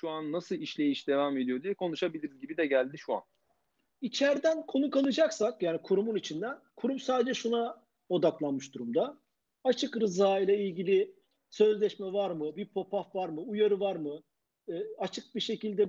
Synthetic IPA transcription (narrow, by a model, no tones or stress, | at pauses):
ʃuanːasɯlˠiʃlʲe̞jiʃd̪e̞vaːme̞d̪ijod̪ijɛkʰo̞nuʃabilʲiɾizɟibid̪ɛɟælʲd̪iʃua̰n | it͡ʃʰæɾd̪ænkʰo̞nukanˠɯd͡ʒaksakjaːnikʰuɾumunit͡ʃʰind̪ænkʰuɾumsaːd̪ed͡ʒɛʃuna | o̞d̪aklˠanmɯʃd̪uɾumd̪a | at͡ʃʰɯkɾɯzaːijlʲˠailʲɟilʲi | sø̞zlʲɛʃmɛvaɾmɯbipʰo̞pʰafvaɾmɯujaɾɯvaɾmɯ | at͡ʃʰɯk̚biʃe̞cilʲd̪ɛ